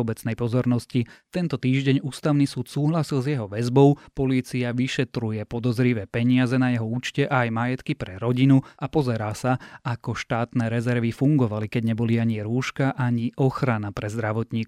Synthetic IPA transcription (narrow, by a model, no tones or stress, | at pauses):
ɔbɛt͡snɛjpɔzɔɾnɔscit̪ɛnt̪ɔt̪iːʒɟɛɲuːst̪aʊnisuːt̪suːɦlasilzjɛɦɔʋɛzbɔʊpɔliːt͡siaʋiʃɛt̪ɾujɛpɔd̪ɔzɾiʋɛːpɛɲɪazɛnajɛɦɔuːt͡ʃcɛʔaːjmajɛt̪kipɾɛɾɔɟinuapɔzɛɾaːsaakɔʃt̪aːt̪nɛːɾɛzɛɾʋifuŋɡɔʋalikɛɟɲɛbɔliaɲiɾuːʃkaʔaɲiʔɔxɾanapɾɛzd̪ɾaʋɔt̪ɲiːk